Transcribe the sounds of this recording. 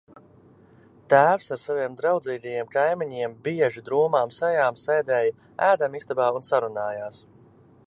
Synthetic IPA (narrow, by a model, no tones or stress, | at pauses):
t̪æːwsaɾsaviɛmd̪ɾawd̪ziːt̪ajiɛmkajmiɲiɛmbiɛʒid̪ɾuɔmaːmsɛjaːmsɛjd̪ɛːj | æːd̪amist̪abaːunsaɾunaːjaːs